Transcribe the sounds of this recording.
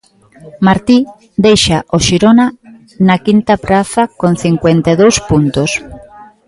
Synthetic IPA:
maɾt̪i | d̪ejʃaʔoʃiɾona | nakint̪apɾaθakon̟θiŋkwent̪eðowspunt̪os

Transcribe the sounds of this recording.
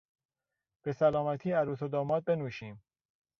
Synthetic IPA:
b̥e̞sælɒːmæt̪ʰiːæɾuːsod̪ɒːmɒːd̪̚be̞nuːʃiːm

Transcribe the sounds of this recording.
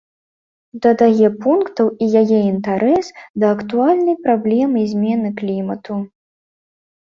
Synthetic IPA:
d̪ɐd̪ajɛpunkt̪ɐwijajɛint̪aɾʔɛsd̪ɐːkt̪ualʲnɐjpɾablʲɛmɨjzʲmʲɛnɨklʲimɐt̪u

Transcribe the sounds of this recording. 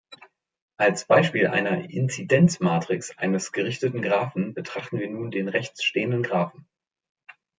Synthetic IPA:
ʔalsb̥aɪʃpiːlʔa̰ɪnɐɪ̰nt͡sidɛnt͡smaːtʁ̥ɪksʔa̰ɪnəsɡ̥əʁɪçtətn̩ɡʁaːfn̩bətʁ̥aχtn̩viːɐnuːndeːnʁɛçt͡sʃteːəndənɡʁaːfn̩

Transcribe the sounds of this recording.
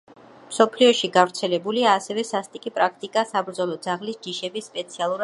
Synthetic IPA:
msɔpʰliɔʃiɡavɾt̪sʰɛlɛbuliaːsɛvɛsast̪ʼikʼipʼɾakʰt̪ʼikʼasabɾd̪zɔlˠɔd̪zaʁlisd͡ʒiʃɛbisːpʼɛt̪sʰialˠuɾa

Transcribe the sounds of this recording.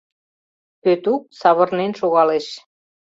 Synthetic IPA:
pøt̪uk̚sɑβɤ̆rnenʃoɣɑleʃ

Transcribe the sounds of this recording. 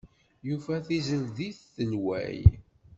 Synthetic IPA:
jufæθizəlðiθːənwæ̰j

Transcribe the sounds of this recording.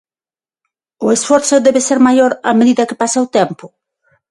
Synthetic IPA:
ʊesfɔɾθʊðɛβeseɾmajoɾameðiðɐkɪ̥pasaʊt̪empʊ

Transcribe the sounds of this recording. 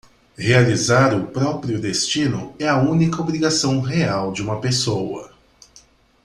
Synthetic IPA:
healizaɾʊpɾɔpɾiʊd̪est͡ʃĩnʊɛɐũnikɐobɾiɡasɐ̃w̃ɦeawd͡ʒɪũmɐpesowɐ̰

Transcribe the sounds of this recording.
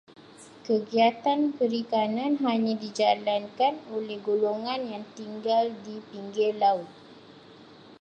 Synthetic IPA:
kəɡiat̪anpəɾikanãnɦaɲãdid͡ʒalankanolɛhɡoloŋãnjaŋt̪iŋɡaldipiŋɡerlaʊt̪̚

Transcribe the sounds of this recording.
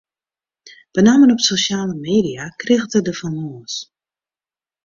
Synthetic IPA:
b̥ənamənɔpsoʃjaːləmeːdiakrɪɣətədəfanoːs

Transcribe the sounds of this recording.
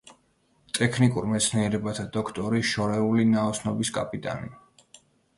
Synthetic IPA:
t̪ʼɛkʰnikʼuɾmɛt̪sʰniɛɾɛbat̪ʰad̪ɔkʰt̪ʼɔɾiʃɔɾɛulinaɔsnɔbiskʼapʼit̪ʼa̰ni

